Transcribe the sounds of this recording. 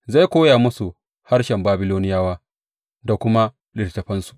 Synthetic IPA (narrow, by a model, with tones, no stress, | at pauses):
za˦˨jkʷoː˦ja˨mʊ˦su˨ | ha˦rʃɛ˨mbaː˦bɪ˦loː˦nɪ˦jaː˦waː˦ | da˨kʷʊ˦ma˦ | lɪ˨rtɐ˨ɸɐ˦nsu̥˨ʔ